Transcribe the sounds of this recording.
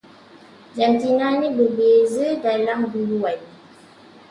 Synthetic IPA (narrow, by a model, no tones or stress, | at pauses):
d͡ʒantinanibəbezədalambuɾuwaj